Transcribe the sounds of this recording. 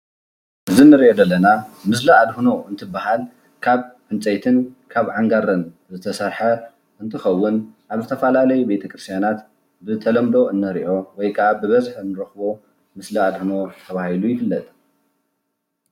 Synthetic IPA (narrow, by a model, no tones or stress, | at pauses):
ʔɨzinːɨɾiʔo̞d̪ɐlːɐnamɨsliad̪huno̞ɨnt̪ʰɨbːahal | kʰaβʕɨnt͡sʼɐjt̪ʰɨnkʰaβʕaŋɡaɾɐn | zɨt̪ʰɐsɐɾħɐ | ʔɨnt̪ʰɨxɐwːʊnʔaβzɨt̪ʰɐfɐlalɐjube̞t̪ʰɐkɾɨst̪ʰjanat̪ | bɨt̪ʰɐlɐmd̪o̞ʔɨnːɐɾiʔo̞wɔjkʰɐabɨβɐzħɨnːɨɾɐxbo̞ | mɨsliad̪huno̞t̪ʰɐβahilujɪfɨlːɐt̪ʼ